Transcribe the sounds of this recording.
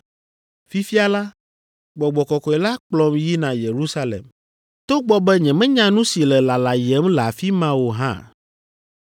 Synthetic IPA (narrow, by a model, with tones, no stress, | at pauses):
fi˦fi˦a˨la˦ | ɡ͡bɔ˨ɡ͡bɔ˨kɔ˨kɔ˨ɛ˨la˦k͡plɔ˦mji˦nã˨je˨ɾu˦sa˦lḛ˨m | t̪o˦ɡ͡bɔ˦bɛ˦ɲɛ̃˨mɛ̃˦ɲã˦nũ˦si˨lɛ˨la˨la˨jɛ˨˦mla˨fi˦mã˦wo˨ɦã̰˦˨